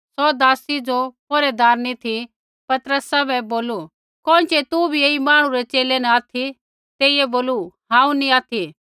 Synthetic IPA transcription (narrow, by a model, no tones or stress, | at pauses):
sɔd̪aːsid͡ʒopoːɾɛd̪ʱaːɾnit̪ʰi | pɐt̪ɾəsabɛboːlu | kɔ̃ːnt͡ʃet̪ubʱieːimaːɽ̃ũɾɛt͡ʃeːlenɛaːt̪ʰi | t̪eːiɛboːluɦãːũnĩaːt̪ʰi